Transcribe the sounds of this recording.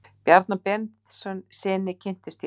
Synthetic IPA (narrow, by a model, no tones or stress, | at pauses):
pjɛɾt̪napɛnt̪sœnsɪːnɪcʰɪn̥t̪ɪst̪j